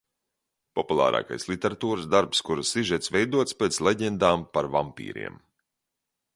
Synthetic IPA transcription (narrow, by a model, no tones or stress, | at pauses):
pɔpulˠa̰ːɾʔa̰ːka̰jslˠit̪eɾat̪uːɾəsd̪aɾpskuɾasiʒɛt̪svɛjd̪uɔt̪spʲeːt̪slʲˠeɟend̪aːmpaɾvampʲḭːɾḭɛm